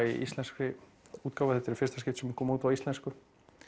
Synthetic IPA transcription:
iḭst̪lɛnskɾɪ | uːt̪̚kaːwvaθɛt̪ɪɾfɪr̥st̪ascɪft̪sɛmkʰɔːmauːt̪vaist̪lɛnskʏ

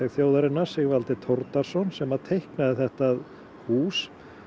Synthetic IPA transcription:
ɛɣθjowðaɾɪnːaɾ̥sɪɣvalt̪ɪt̪ʰɔɾt̪aɾ̥sɔnsɛmaðt̪ʰejhknaðɪθɛht̪að | huːs

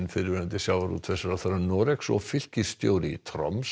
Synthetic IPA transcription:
nfɪɾvɪɾant̪ɪsjawvaɾṵt̪ʰvɛsaɾaθaɾanɔːɾɛksɔ̰ɣfɪl̥cɪst̪joːwɾɪḭt̪ʰɾɔ̰ms

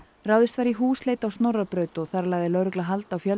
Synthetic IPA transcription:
raːwðɪst̪vaɾiɦuːsleːjt̪awst̪nowrapɾœːɥt̪ɔθaɾlaːjðɪlœwɾʏklaɦalt̪awfjœl

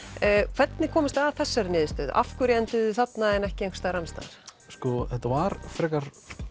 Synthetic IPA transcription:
kʰv̥ɛt̪nɪkʰɔːmɪst̪aθɛsːaɾnɪːðɪst̪œːða̰fkʏɾjɛnt̪ɪðʏθat̪naɛnɛhcɪeŋkst̪aɾamst̪a̰ːɾ̥ | skɔθɛt̪avaɾfɾɛːkaɾ̥

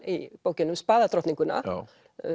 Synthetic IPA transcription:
ipoːwcɪnːʏmspaːðat̪ɾɔht̪niŋkʏnːa̰

